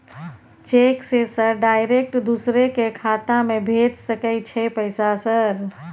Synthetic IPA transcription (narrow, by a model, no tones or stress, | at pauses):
t͡ʃeːksesəɾɖaːɪɾek̚ʈd̪usɾekekʰaːt̪ãmẽbʱeːd͡ʒsəkəjt͡ʃʰɛpəɪsasəɾ